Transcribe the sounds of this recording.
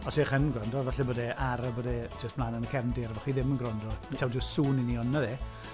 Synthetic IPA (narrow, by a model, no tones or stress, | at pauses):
ɔseχənɡrɔndɔvaɬɛboːdɛʔaɾəboːdɛd͡ʒəstpʰlˠaːnənəkʰɛvndɪɾvɔχwiːðɪmənɡrɔndɔtʰɛwdəstsuːniniɔnaðe